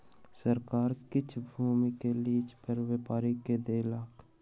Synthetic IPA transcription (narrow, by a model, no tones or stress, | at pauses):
səɾkaːɾkɪt͡ʃʰbʱuːmikeliːt͡ʃpəɾʋepaːɾiked̪eːlaːk